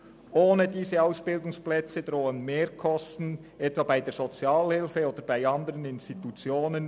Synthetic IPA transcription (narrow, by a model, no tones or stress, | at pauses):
ʔoːnədiːzəaʊsb̥ɪldʊŋsplɛt͡səd̥ɾoːənmeːɹkʰɔstn̩ | ʔɛtv̥ɑːbaɪdeːz̥ot͡sjɑːlhɪlfəoːd̪əɾb̥aɪɑndəʁənɪnstitut͡sjoːnən